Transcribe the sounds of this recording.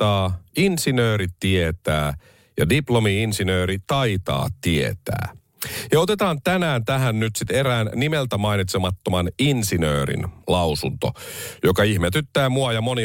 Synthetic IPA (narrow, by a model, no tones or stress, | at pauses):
ɑːinsinøːɾit̪iet̪æː | jɑ̰diplomiinsinøːɾit̪ɑit̪ɑ̰ːt̪iḛt̪æ̰ː | jɑot̪et̪ɑːnt̪ænæːnt̪æɦænnyt̪sit̪eɾæːnːimelt̪æmɑinit̪semɑt̪ːomɑninsinø̰ːɾḭnlɑusunt̪o̰jokɑihmet̪yt̪ːæːmuɑjɑmoni